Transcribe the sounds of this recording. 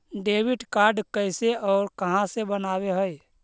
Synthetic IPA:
ɖeːwɪʈkaːɾɖkəɪseɔːɾkəɦãsebənaːweɦəj

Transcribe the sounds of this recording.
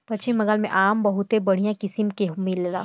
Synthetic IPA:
pɐtːt͡ʃɪmːɐŋɡalmḛ̃ʔaːmbɐɦʊt̪ebɐɽ̤ijãkɪsɪmkeɦmilela̰ː

